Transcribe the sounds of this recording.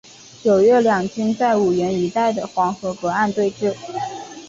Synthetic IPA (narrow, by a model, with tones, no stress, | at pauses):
t͡ɕjo˨˩ʊɥɛ˥˩ljɑ˨˩ŋt͡ɕy˥nt͡sa˥˩ɪu˨˩ɥɛ˧˥ni˧˥t̪a˥˩ɪd̪ə˩xwɑ˧˥ŋxɤ˧˥kɤ˧˥a˥˧nt̪we˥˧ɪʈ͡ʂɻ̩˥˩